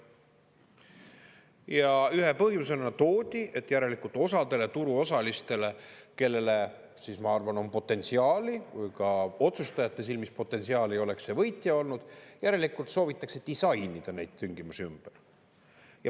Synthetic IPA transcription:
jɑyɦe̞pɤɦjmusenɑt̪o̞ːd̪̥ʲiʔe̞t̪ːˑjæɾe̞likult̪ˑo̞sɑd̪e̞le̞t̪uɾuo̞sɑlist̪e̞le̞ke̞lːe̞le̞ | siːsmɑɑrvɑno̞mpo̞t̪ːˑe̞nt̪siɑːlivɯjkɑo̞t̪sust̪ɑjɑt̪ːˑe̞s̬ilmispo̞t̪ːˑe̞nsiɑːlio̞le̞kse̞vɤjt̪ˑjɑo̞lnud̪̥jæɾe̞likult̪so̞ːvit̪ːˑɑkse̞d̪̥isɑjnid̪̥ɑnejd̪̥t̪yŋɡ̥imusiymb̥er | jɑ

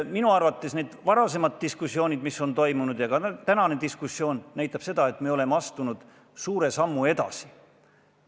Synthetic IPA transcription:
minuɑrvɑt̪ːˑe̞sne̞ːd̪̥vɑɾɑse̞mɑt̪t̪ːiskusjo̞ːnʲid̪̥miso̞nt̪o̞jmunud̪̥jɑɡ̥ɑt̪ænɑne̞d̪iskusjo̞ːnːæjt̪ˑːɑb̥se̞d̪̥ɑe̞t̪ˑmeo̞le̞meɑst̪unud̪̥ | suːɾe̞sɑmːue̞d̪̥ɑ̰si̥

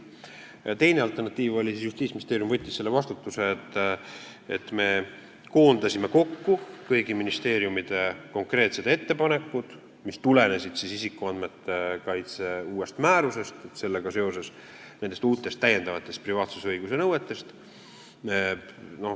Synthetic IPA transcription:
t̪e̞jneɑlt̪ːˑe̞rnɑt̪ːˑiːvo̞lʲisisjust̪iːsminist̪eːɾjumvɤt̪ʲːisse̞lːe̞vɑst̪ut̪ːˑuse̞ːt̪ː | ḛt̪me̞ | ko̞ːnd̪ɑsʲime̞ko̞kːukɤjɡiminist̪e̞ːɾijumid̪̥e̞ko̞ŋkre̞ːt̪se̞d̪̥e̞t̪ːe̞pɑne̞kːˑud̪̥ | mist̪ule̞ne̞sid̪̥sisisikːˑuɑnd̪me̞t̪ːekɑjt̪se̞uːe̞st̪mæːɾuse̞st̪et̪se̞lːeɡ̥ɑse̞o̞se̞s | nend̪e̞st̪uːt̪ːˑe̞st̪ːæjːend̪̥ɑvɑt̪ːˑe̞st̪̚privɑːt̪su̥seɤjɡuse̞nɤwet̪ːe̞st̪ | no̞

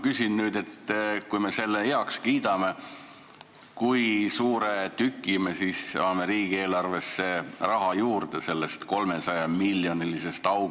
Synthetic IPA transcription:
kysinnyːd̪e̞t̪ːkujme̞se̞lːejeɑkskiːd̪̥ɑme̞ | kujsuːɾet̪ykːˑimesisɑːmeɾiːɡ̥ie̞ːlɑrve̞sːe̞rɑɦɑjuːrd̪̥ese̞lːe̞st̪ko̞lme̞sɑjɑmilːjo̞nilise̞st̪ɑw

